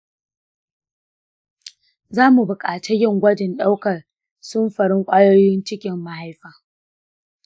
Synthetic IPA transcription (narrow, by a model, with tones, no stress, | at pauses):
zaː˦mu˨bʊ˨kʼaː˨ta˦jɪ˦˨ŋɡʷɐ˦dɪ˨nɗa˦wkɐ˨r | sʊ˦mɸɐ˨ɽɪ˦ŋkʷʼaː˦joː˦jɪ˦nt͡ʃɪ˦kʲɪ˨mːa˨ɦa˦jɸaː˨